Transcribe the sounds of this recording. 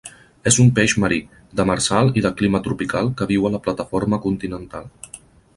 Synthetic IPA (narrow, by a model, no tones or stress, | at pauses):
ezumpeʒməɾi | d̪əməɾsalˠiðəklimət̪ɾupikalˠkəβ̞iwələplət̪əfoɾməkunt̪inənt̪alˠ